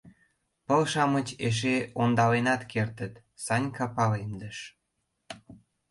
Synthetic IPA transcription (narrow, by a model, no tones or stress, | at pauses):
pəlʃɑmət͡ɕeʃ̬eond̪ɑlenɑt̪kert̪ət̪ | sɑnʲkɑpɑlend̪ə̆ʃ